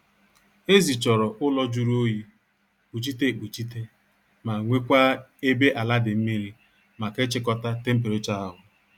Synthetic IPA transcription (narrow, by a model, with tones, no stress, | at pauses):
e˦zi˨t͡ʃɔ˨ɾɔ˨ʔʊ˦lɔ˦d͡ʒu˦ɾu˦o˦ji˦ | k͡pu˨t͡ʃi˦te˦˨k͡pu˨t͡ʃi˦t̬e˦ | ma˨ŋʷe˦kʷa˦e˦be˦ʔa˨la˦dɪ˨m̩˦mi˦ɾi˦ | ma˨kɪ˦t͡ʃɪ˦kɔ˦ta˦te˦m̩˦p̬e˨ɾe˦t͡ʃa˦a˦ɦʊ˨